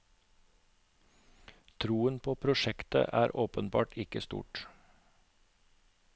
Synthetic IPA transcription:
t̪ʰɾuːənpʰoːpʰɾʊʃɛkt̪ə̰ʔæːɾʔoːpənbɑ̰ːʈʰɪkəst̪ṵːʈ

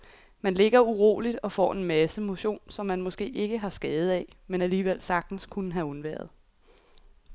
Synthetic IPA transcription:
mænle̝ɡ̥ɐuʁo̝̰ːlid̥ɒ̽fɒ̰ːe̝nmæsəmo̝ɕo̝̰ːnsɒ̽mːænmɔ̽sɡ̥e̝̰ːe̝ɡ̥əɦɑ̈sɡ̥ɛːð̞̩ˠɛmenæliːʋel̰sɑ̈ɡ̥d̥n̩skʰunəɦæɔ̽nʋæ̰ɐð̞̩ˠ

